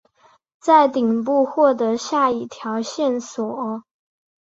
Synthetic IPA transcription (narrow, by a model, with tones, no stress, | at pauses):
t͡sa˥˩ɪt̪i˨˩ŋpu˥˧xwɔ˥˩t̪ɤ˧˥ɕja˥˩i˧˥˩t̪ʰjɑ˧˥ʊɕjɛ˥˩nswɔ˨˩˦